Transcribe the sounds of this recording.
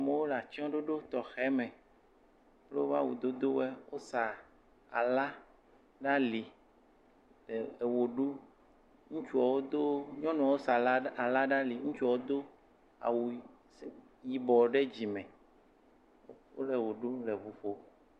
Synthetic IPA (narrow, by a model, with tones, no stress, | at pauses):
mẽ˦wo˦la˨t͡ʃɔ̃˦ɖo˦ɖo˦t̪ɔ˨xɛ˦mɛ̃˨ | ple˦wo˦va̰˦wu˨d̪o˦d̪o˦wɛ˦wo˦sa˨ | a̰˨la˦ | ɖa˦li˨ | e˨e˨wo˨ɖu˦ | ŋũ˦t͡ʃu˦a˨wo˦d̪o˦ɲɔ̃˦nũ˨a˨wo˦sa˨la˨la˦ɖa˦li˨ŋũ˦t͡ʃu˦a˨wo˦d̪o˦ | a̰˨wu˨˦ | ji˨bɔ˨ɖe˦d͡ʑi˨mɛ̃˨ | wo̰˦le˨wo˨ɖu˦le˨vu˨ɸo˦